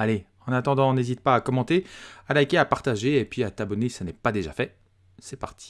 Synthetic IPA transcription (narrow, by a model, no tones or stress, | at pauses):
ale | ɑ̃nat̪ɑ̃d̪ɑ̃nezit̪̚paːkɔmɑ̃t̪ealakʲeapaʁt̪aʒeːpɥiat̪abɔnesanɛpad̪eʒa̰fɛ | sɛpaʁt̪ʰi̥